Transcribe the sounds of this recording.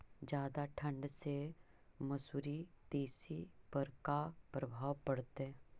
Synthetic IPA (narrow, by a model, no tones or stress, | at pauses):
d͡ʒjaːd̪aʈʰə̃ɳɖse | mɐsuːɾit̪eːsipɐɾkapɾəbʱaːʋpɐɽt̪ɦɛ̃